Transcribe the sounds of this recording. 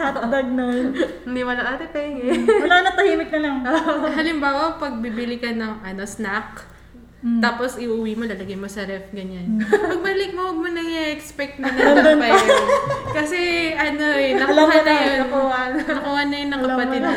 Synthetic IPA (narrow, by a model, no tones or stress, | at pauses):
ɐtd̪ɐɡ̚nɐn | nd̪iwɐlaʔɐt̪ɛt̪ɐɡɛwɐlanɐt̪ɐhiːmɪk̚nɐlɐŋohɐlɪmbaːwɐpɐɡ̚bibɪlɪkɐnoʔɐnosnak | t̪aːpo̞sʔɪʔuʔuːwimolɐlɐɡɐjmo̞sɐɾɛfɡɐɲanpɐɡ̚bɐlɪk̚mowɐɡ̚monɐŋʔɛkspɛk̚t̪̚nɐnɐɐɐpɐnkɐsɛʔɐno̞ʔɛnɐkluhanːɐjonɐkuhɐɐkuːhɐnːɐjonːɐkɐpɐt̪ɪd̪ɐ